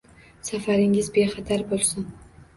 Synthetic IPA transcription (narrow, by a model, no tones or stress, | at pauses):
safaɾɪŋʲɪzbeχat̪ʰaɾbolˠsɪn